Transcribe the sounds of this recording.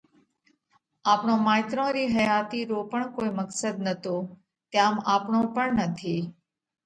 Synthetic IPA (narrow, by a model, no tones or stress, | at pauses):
aːpɳõːmaːjt̪ɾõɾiːɦəjaːt̪iːɾoːpəɳkoːiməksəd̪nət̪oː | t̪jãːmaːpɳõpəɳnət̪ʰiː